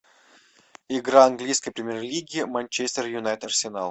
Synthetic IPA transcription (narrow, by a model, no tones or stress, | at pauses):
ɪɡɾaɐnɡlʲijskəjpɾʲɪmʲerlʲiɡʲɪɪmanʲt͡ɕesʲt̪ʲərjʊnajt̪ɐrsʲɪnalˠ